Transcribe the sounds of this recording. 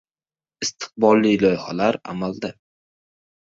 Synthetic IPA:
ɪst̪ʰɨ̥q̚bɒlˠːilɒjχa̰laɾa̰mald̪a

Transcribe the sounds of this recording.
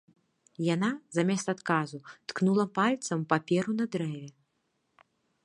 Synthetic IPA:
janazamʲɛst̪at̪kazut̪knulˠɐpalʲt̪sɐmpapʲɛɾunɐd̪ɾɛvʲɛ

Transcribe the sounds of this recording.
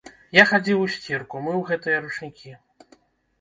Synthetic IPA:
jaxad͡zʲiwusʲt͡sʲirkumɨwɣɛt̪ɨjɐɾut͡ʂnʲikʲi

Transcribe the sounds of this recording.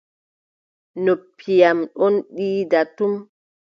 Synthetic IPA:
nopʰːijamɗɔnɗiːdatum

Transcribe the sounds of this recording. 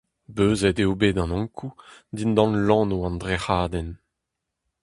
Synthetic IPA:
bøːzɛt̪eobeːd̪ɑ̃nɔ̃ŋkʰud̪ind̪ɑ̃nlɑ̃ːnuɑ̃nd̪ʁehaːd̪ɛn

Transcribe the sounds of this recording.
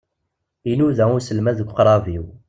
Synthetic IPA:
inuðæʊsəlmæðəkʷːqɾˤɑviw

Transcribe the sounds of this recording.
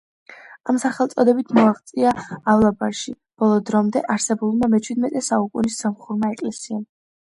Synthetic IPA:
amsaχɛlˠt̪sʼɔd̪ɛbit̪ʰmɔaχt̪sʼiaːvlˠabaɾʃi | b̥ɔlˠɔd̪ɾɔmd̪ɛʔaɾsɛbulˠmamɛt͡ʃʰwid̪mɛt̪ʼɛsaukʼunisːamχuɾmaɛkʼlɛsiam

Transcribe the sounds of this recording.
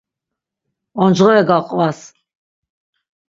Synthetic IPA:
ɔnd͡ʒʁɔɛɡaqʼvas

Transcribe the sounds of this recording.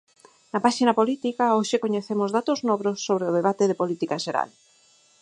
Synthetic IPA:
napaʃinapolit̪ikaoʃekoɲeθemozðat̪oznɔβɾosːoβ̞ɾeʊðeβ̞at̪eðepolit̪ikaʃeɾa̰l

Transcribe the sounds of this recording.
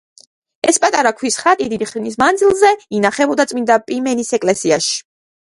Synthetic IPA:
ɛspʼat̪ʼaɾakʰwisχat̪ʼid̪id̪iχɾinismand̪zilˠzɛinaχɛbɔd̪at̪sʼmind̪apʼimɛnisɛkʼlɛsiaʃi̥

